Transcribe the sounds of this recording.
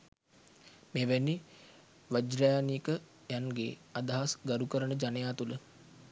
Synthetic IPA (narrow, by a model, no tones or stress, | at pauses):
meːʋænːi | ʋəd͡ʒɾajaniəkə | janɡḛːad̪aɦasɡaɾukəɾənəd͡ʒanejaːt̪ulə